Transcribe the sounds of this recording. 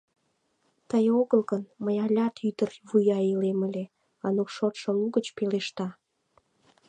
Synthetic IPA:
t̪əjoɣəlɣənməjɑlʲɑt̪yt̪ərβujɑileməlʲe | ɑnukʃot̪ʃŏluɣət͡ɕpeleʃt̪ɑ

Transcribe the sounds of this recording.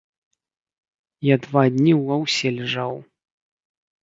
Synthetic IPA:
jad̪vad̪ʲnʲiwɐwsʲɛlʲɛʐaw

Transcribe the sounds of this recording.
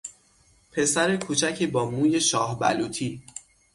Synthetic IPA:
pʰe̞sæɾekʰuːt͡ʃʰæcʰiːbɒːmuːje̞ʃɒːhbæ̰luːt̪ʰiː

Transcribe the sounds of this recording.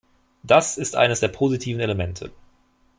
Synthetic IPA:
d̥asɪstʔa̰ɪnəsd̥eːɐpʰozitʰiːvn̩eləmɛntʰə̰

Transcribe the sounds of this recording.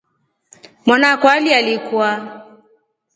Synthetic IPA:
mwanakwalialikua

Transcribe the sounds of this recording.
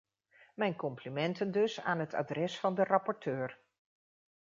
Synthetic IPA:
mɛjnkɔmplimɛntəndɵsa̰ːnɦətʰa̰ːdrɛsfɑndərɑpɔɹtʰøːɹ

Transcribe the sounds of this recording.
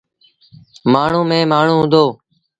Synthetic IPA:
maːɳ̤ũːmẽːmaːɳ̤ũːɦʊ̃nd̪oː

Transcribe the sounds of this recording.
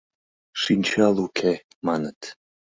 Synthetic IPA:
ʂint͡ʃʰalˠukʰe | manət̪ʰ

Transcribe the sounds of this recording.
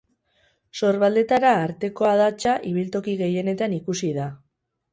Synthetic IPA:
so̞ɾβald̪e̞t̪aɾaːɾt̪e̞ko̞að̞at͡ʃaʔiβ̞ilt̪o̞kiɣe̞je̞ne̞t̪anikusiða

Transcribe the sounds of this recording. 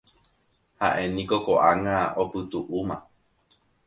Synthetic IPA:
haʔẽ̞nĩkokoʔaŋaopɨt̪uʔumã

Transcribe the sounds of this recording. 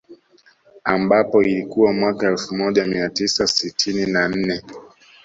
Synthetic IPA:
ambapɔilikuwamwakaɛlfumɔʄamiatisasitʰininan̩nɛ

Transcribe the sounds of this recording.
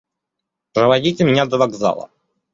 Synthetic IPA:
pɾəvɐdʲitʲɪmʲɪnʲad̪əvɐɡza̰lˠə̰

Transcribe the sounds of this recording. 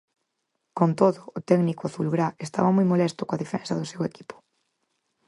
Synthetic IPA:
kont̪oðʊʔːt̪ɛɡnikʊaθulɣɾaest̪a̰βɐmojmolɛst̪ʊkoaðefɛ̰nsɐðʊseweki̥pʊ̥

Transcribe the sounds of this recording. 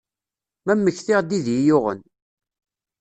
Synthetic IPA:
mæmːəçθɪʁd̪iðjijʊʁə̰n

